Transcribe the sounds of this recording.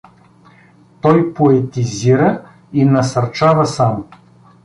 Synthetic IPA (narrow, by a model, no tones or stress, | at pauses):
t̪ɔjpoɛt̪iziɾə | inɐsɐɾt͡ʃavɐsamʊ